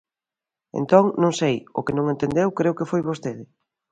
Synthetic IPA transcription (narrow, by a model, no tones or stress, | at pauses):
ḛnt̪oŋnõŋsejo̰kenõŋẽnt̪end̪ewkɾewkefojβost̪eðɪ